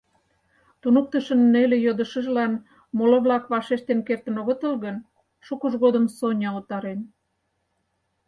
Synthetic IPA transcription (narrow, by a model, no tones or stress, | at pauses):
t̪unuk̚t̪əʃənːelejod̪əʃə̆ʒlɑn | moloβlɑkβɑʃeʃt̪enkert̪ə̆noɣə̆t̪əlɣən | ʃukəʒɣod̪əmsonʲɑot̪ɑɾen